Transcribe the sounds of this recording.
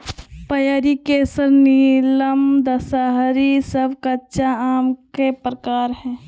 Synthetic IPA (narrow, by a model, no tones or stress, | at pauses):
pəjaɾikeːsəɾniːləmd̪ɐsaɦɾisəbkɐtːʃaaːmkepɾəkaːɾɦɛ̃ː